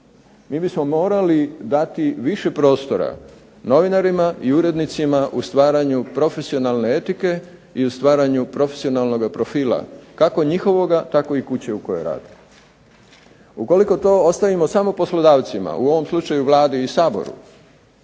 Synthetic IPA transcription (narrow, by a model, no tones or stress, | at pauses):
miːbismo̞mo̞ːɾalid̪at̪iʋiʃe̞pɾo̞ːst̪o̞ɾa̰ | no̞ʋinaɾimaʔiuɾe̞d̪nit̪simaʔust̪ʋaːɾaɲupɾo̞fe̞sio̞nalˠne̞e̞t̪ike̞ | iust̪ʋaːɾaɲupɾo̞fe̞̥sio̞nalˠno̞ɡapɾo̞fiːlˠa̰kako̞ɲixo̞ʋo̞ɡat̪ako̞ikut͡ɕe̞uko̞jeɾa̰ːd̪e | uko̞liko̞t̪o̞ːo̞st̪aʋimo̞samo̞po̞slˠo̞d̪aːʋt̪sima̰ʔuo̞ʋo̞mslˠut͡ʃajuʋlˠaːd̪eisaːbo̞̰ɾṵ